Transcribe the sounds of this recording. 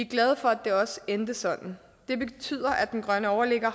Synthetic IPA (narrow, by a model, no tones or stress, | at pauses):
iɡ̥lɛð̞ˠfɒ̽æd̥e̝ɒ̽send̥əsɒ̽d̥n̩ | d̥e̝be̝t͡sʰy̰ð̞̰ˠɐʔædd̥enɡ̥ʁɶnəɒʊɐleɡ̥ɐ